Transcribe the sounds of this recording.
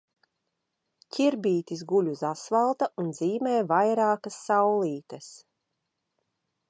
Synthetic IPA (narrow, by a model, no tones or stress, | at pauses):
cʰʲiɾbiːt̪isɡulʲuzasvalˠt̪aunziːmɛːvajɾaːkɐsːawlˠiːt̪ɐs